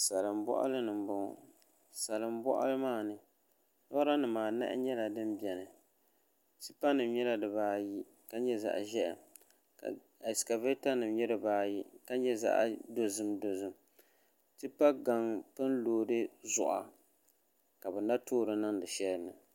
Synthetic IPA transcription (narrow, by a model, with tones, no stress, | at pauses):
sa˨lɨ˨mbɔ̰˦ʔa̰˦lɨ˦nɨ˨m˦bʊ˦˨ | sa˨lɨ˨mbɔ̰˦ʔa̰˦lɨ˦maː˦nɨ˨ | nɔ˦ɾa˦nɨ˨maː˨na̰˦ʔɲɛ˦la˨dɨ˦mbɛ˨nɨ˨ | tɨ˦pa˦nɨ˨mɲɛ˦la˦dɨ˨baː˦ji˦ | ka˦ɲɛ˦za̰˨ʔʒɛ˦ʔ | ka̰˨ | a˨ska˨ve˦ta˦nɨ˨mɲɛ˦dɨ˨baː˨˦ji˦ka˦ɲɛ˦za̰˦ʔdo˦zɨ˦mdo˨zɨ˦m | tɨ˦pa˦ɡa˨ŋpɨ˦nloː˨dɨ˦zʊ̰˨ʔa̰˨ | ka˨bɨ˨na˦tʰoː˦ɾɨ˦nɨ˦ŋdɨ˨ʃɛ˦lɨ˦nɨ˨